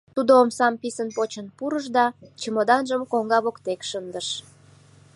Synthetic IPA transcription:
t̪ud̪oomsɑmpisənpot͡ɕənpuɾəʒd̪ɑt͡ɕəmod̪ɑnʒəmkoŋɡɑβokt̪ekʃənd̪əʃ

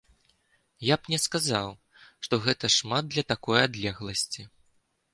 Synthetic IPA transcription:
japnʲɛskazaw | ʂt̪ɔɣɛt̪ɐʂmad̪̚d̪lʲɐt̪akɔjad̪lʲɛɣlˠɐsʲt͡sʲi

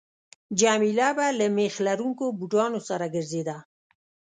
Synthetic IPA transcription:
d͡ʒɑmilabalamexlaɾuŋkobuʈɑnosaɾaɡəɾzed̪a

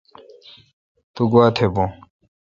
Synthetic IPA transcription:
t̪uɡuat̪ʰebõ

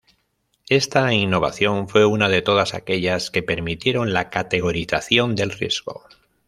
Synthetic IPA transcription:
e̞st̪ainːo̞β̞a̰θjo̞ɱfwe̞unaðe̞t̪o̞ð̞asa̰ke̞ʎaske̞pe̞ɾmit̪je̞ɾo̞nlakat̪e̞ɣ̞o̞ɾiθaθjo̞nd̪e̞lrje̞zɣo̞̰

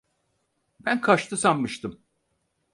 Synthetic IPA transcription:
bænkʰaʃt̪ʰɯsammɯʃt̪ʰɯm

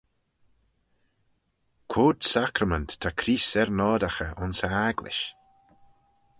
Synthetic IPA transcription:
kʰoːd̪̥sakɾəməntʰːakʰɾiːsɛɾnɔːd̪axəʔʊnsəaɡlɪ̰ʃ

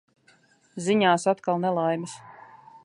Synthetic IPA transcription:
ziɲaːsat̪kalˠnɛlˠajmis

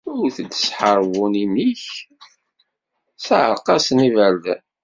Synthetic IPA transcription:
ʊɾθəd̪ə̥sħəɾˤvunimiç | saʕəqːɑsnivæɾðæ̰

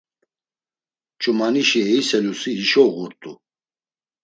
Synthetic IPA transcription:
t͡ʃʼumaniʃiɛisɛlusiiʃɔɣuɾt̪ʼu

